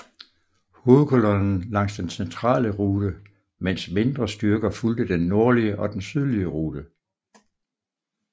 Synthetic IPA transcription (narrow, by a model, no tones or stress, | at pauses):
ho̝ːð̩ˠkʰolɔnn̩lɑ̈ŋ̰sd̥ensent͡sʰʁɑ̰̈ːləʁuːd̥ə | men̰sme̝nd̥ʁɐsd̥yɐɡ̥ɐfuld̥əd̥enːo̝ɐliəʔɒ̽d̥ensyð̞ˠliəʁuːd̥ə